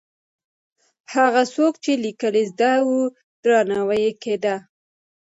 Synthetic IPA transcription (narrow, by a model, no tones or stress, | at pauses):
haɣasokt͡ʃelikəlezd̪awu | d̪ɾɑnawajeked̪a